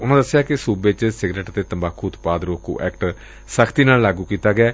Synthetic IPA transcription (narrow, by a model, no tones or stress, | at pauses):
ʊnãːd̪əsːɪjaːkɪsuːbet͡ʃsɪɡneːʈt̪eːt̪əmbaːkʰːuːt̪paːd̪ɾoːkṵːʔɛ̰ːkʈ | səkʰt̪iːnaːllaːɡuːkiːt̪aːɡɪaː